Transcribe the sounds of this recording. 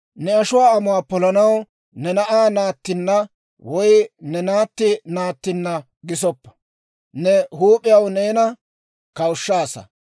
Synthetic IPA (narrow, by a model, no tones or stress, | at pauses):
nɛɐʃʊwaːɐmʊaːpɔlɐnɐw | nɛnɐʔaːnaːt̪ːɪnːɐ | wɔjnɛnaːt̪ːɪnaːt̪ːɪnːɐ | ɡɪs̬ɔpːɐ̥ | nɛhuːpʼːɪjɐwne̞ːnɐ | kɐwʊʃːaːsɐ̰